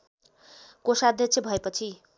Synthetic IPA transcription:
kosad̪ʱjʌt͡sʰjʌbʱʌepʌt͡sʰi

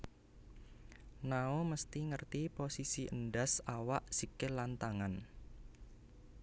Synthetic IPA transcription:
naoməst̪iŋərt̪iposisiʔənɖasawaʔsikɪlant̪aŋan

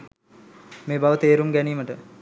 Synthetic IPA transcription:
meːbaʋət̪eːɾumɡæniːməʈə

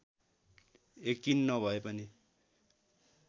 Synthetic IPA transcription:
ekːinːʌbʱʌepʌni

